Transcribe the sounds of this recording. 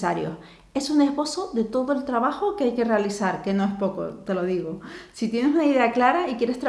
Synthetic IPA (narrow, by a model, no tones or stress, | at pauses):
aɾjo̰ | e̞sune̞ɦβo̞soðe̞t̪o̞ðoe̞lt̪ɾaβ̞axokeajke̞re̞alisaɾke̞no̞e̞spo̞ko̰t̪e̞lo̞ðiɣ̞osit̪je̞nesunaiðe̞aklaɾaikje̞ɾest̪ɾa